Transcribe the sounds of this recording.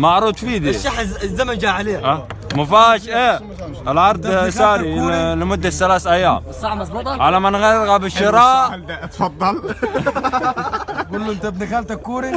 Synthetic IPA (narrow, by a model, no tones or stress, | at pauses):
maʕɾuːt̪fiːd̪iʃːaħzːamand͡ʒaʕaleːʔamʊfaːʃʔeː | ɪlʕɑɾˤd̪ˤsaːɾilɪmʊd̪ːaθalaːsʔajːa̰ːmˤ | ʕalamanɣaɣabɪʃːɪɾˤɑːt̪fɑd̪ˤːɑl | kʊlːɪnt̪abnixalt̪akːuːɾi